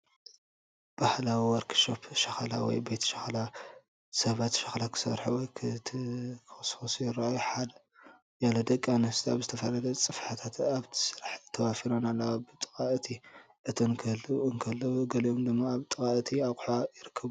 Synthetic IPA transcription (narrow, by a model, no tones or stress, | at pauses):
b̥ahlawiwɔɾkʰʃopʃɐxala̰wɔ̰jbet̪ʰʃɐxala | sɐβat̪ʃɐxlakʰɨ̥sɐ̰ɾħuwɔjkʰt̪ʰkʰɨxɨsfosujɪɾajħad̪ɐ | jalod̪ɐkʼːanɨst̪ʰaβzɨt̪ʰɐfɐlɐd̪ɐt͡sʼɨfħat̪ʰat̪aβt̪ʰɨ̥sɨɾaħt̪ʰːɐwafiɾonalːaabɨt̪ʼɨ̥kʼaʔt̪ʰi | ʔɨt̪ʰonkʰɐlɨnkʰɐlːɐwuɡɐliomd̪ɨmːaːβt̪ʼɨkʼaʔt̪ʰiaqʼħajɪɾɨkʰːɐβu